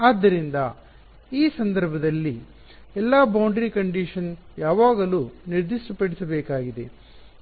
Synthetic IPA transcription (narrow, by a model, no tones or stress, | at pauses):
aːd̪ːɐɾind̪ɐ | iːsɐnd̪ɐɾbʱɐd̪ɐlːi | ɛlːaːbɐwɳɖɾikɐɳɖiʂɐn | jaːʋaːɡɐluːniɾd̪iʂʈɐpɐɽisɐbɛːkaːɡid̪e̞